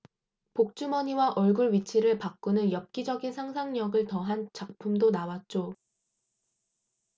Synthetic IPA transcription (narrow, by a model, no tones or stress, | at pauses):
pok̚t͡ɕ͈umʌɲiwaʔʌɭɡuɭɥit͡ɕʰiɾɯɭpak̚k͈unɯnjʌp̚k͈id͡ʑʌɡinsʰaŋsʰaŋɲʌɡɯɭtʌɦant͡ɕak̚pʰumdonawat̚t͡ɕ͈o